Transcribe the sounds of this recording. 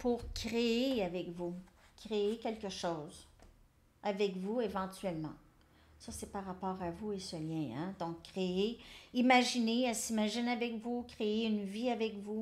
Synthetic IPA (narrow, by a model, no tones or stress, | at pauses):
puʁkʲʁeeavɛkvukʲʁeekʲɛlkəʃowz | avɛkvuevɑ̃t̪ɥɛlmɑ̰̃ | sʌsɛpaʁːapɑːʁavuesəljɛ̃ɛ̰̃d̪ɔ̃kːʁeeimaʒineɛsimaʒɪnavɛkvukʁeeynviavɛkvu